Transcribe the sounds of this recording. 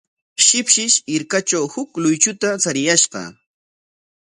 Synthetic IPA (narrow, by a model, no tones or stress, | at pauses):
ʃɪpʃɪʃɪɾkat͡ʃawhʊklʊjt͡ʃʊt̪at͡saɾɪjaʃɢɑ̰